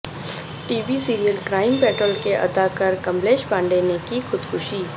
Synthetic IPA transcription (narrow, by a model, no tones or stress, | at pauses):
ʈiːbisiːɾijəlkɾaːɪmpɛːʈɾəlkeʔɐ̰d̪akɐɾkɐ̃mbleːʃbãːɳɖenekixʊd̪kʰʊʃiː